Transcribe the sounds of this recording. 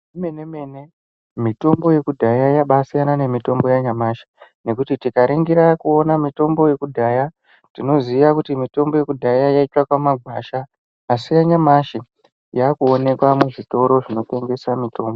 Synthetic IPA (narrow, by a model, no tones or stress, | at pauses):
imeneme̞ne̞ | mito̞mbo̞je̞kudʱajajaɓasijanane̞mito̞mbo̞jaɲamaːʃi̥ | ne̞kutitikaɾeŋɡiɾakuo̞namito̞mbo̞je̞kudʱaja | tino̞ziʋakutimito̞mbo̞je̞kudʱajajaitwakwamaɡʱwaʃaː | sijaɲamaʃi | jakuone̞kwamuʐito̞ɾo̞ʐino̞te̞ŋɡe̞samito̞ːmbo